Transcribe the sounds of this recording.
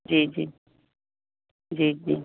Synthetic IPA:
d͡ʒiːd͡ʒiː | d͡ʒiːd͡ʒi

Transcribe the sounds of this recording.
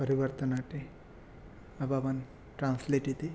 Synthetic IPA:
pəɾiʋəɾt̪ənaʈe | ababən | ʈɾãnsleʈit̪e

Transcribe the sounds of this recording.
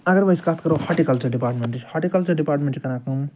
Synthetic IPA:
ɐɡəɾbəjskat̪ʰkɐɾohaʈikɐlt͡ʃəɾɖipaːɾʈmeɳʈʰhaʈikɐlt͡ʃɐɾɖipaːɾʈmẽɳʈt͡ʃikɐnãkum

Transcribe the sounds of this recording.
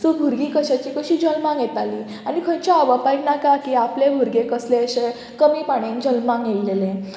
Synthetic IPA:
sobʱuɾɡiːkəɕat͡ɕikəɕiːd͡ʑəlmãŋjet̪ali | anikʰət͡ɕaaʋapajknakakiːaplebʱuɾɡekəsleəɕe | kəmiːpaɽ̃ẽnd͡ʑəlmãŋɡjelːele

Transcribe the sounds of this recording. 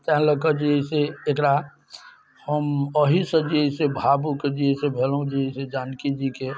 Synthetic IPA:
t̪ɛɦləkəd͡ʒiɦiseːkɾa | həməɦisə̃d͡ʒiisebʱabuked͡ʒiɦisebʱelɦũd͡ʒiɦised͡ʒankid͡ʒike

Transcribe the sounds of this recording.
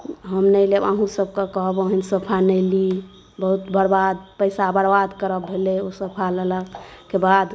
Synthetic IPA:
ɦəmnəjleba̰ɦũsəb̚kekəɦboɦinsəpʰanəɪli | bəɦut̪bʱəɾbad̪̚pəɪsabəɾbad̪kəɾəbʱeleosəpʰalələkebad̪

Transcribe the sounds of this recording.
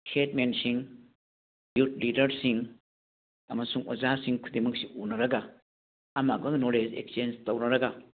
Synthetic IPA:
hʰetmensiŋ | jut̚lidɐɾsiŋ | ɐ̰mɐsuŋozasiŋkʰud̪imɐk̚siunɐɾɐɡɐ | ɐmak̚bɐɡnoled͡ʒḛkst͡ʃend͡ʒtɐwnɐɾɐɡɐ

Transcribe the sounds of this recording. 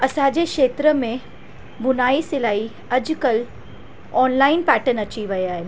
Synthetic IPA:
ɐsãd͡ʑekʃeːt̪ɾəmẽ | bʊnaːisɪlaːi | ɐd͡ʑkəl | ɔːnlaːɪnpɛːʈənɐt͡ɕiʋɐeaːɦɪn

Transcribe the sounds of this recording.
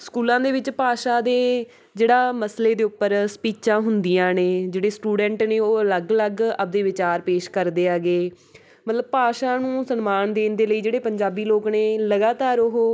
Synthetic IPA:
skuːlãːd̪eːʋɪt͡ʃpaːʃaːd̪eː | d͡ʒeːɽaːməsleːd̪eːʊpːəɾsə̥piːt͡ʃãːɦʊnd̪ijãːneːd͡ʒeːɽeːsʈuːɖɛ̃ːɳʈneːoːələɡələɡəb̚d̪eːʋɪt͡ʃaːɾpeːʃkəɾd̪eːaːɡeː | mət̪ləbpaːʃãːnũːsənmaːnd̪eːnd̪eːləiːd͡ʒeːɽeːpəɲd͡ʒaːbiːloːkneːləɡaːt̪aːɾʊɦoː

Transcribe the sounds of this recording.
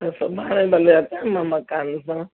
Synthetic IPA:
asabanabalɔjatʼɛmamakʼand͡za

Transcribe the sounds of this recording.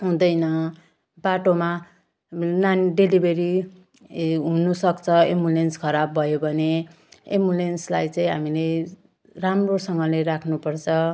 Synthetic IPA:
ɦũd̪ʌjnʌ | baʈoma | nanɖelibeɾi | ɦunusʌkt͡sʰʌemulenskʰʌɾabːʱʌjobʱʌne | ḛmulenslajt͡sʌĩɦamile | ramrosʌŋɡʌleɾakʰnupʌrt͡sʰʌ

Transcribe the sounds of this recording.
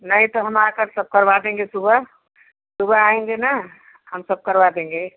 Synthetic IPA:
nəɦĩt̪oɦəmakəɾsəb̚kəɾbad̪ẽŋɡesubə | subʱəaẽŋɡena | həmsəb̚kəɾbad̪ẽŋɡe

